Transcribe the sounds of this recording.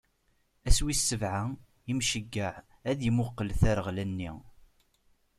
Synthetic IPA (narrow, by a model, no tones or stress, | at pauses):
æswisːəvʕa | imʃəɡːaʕ | æðjəmʊqːəlθæɾəʁlænːḭ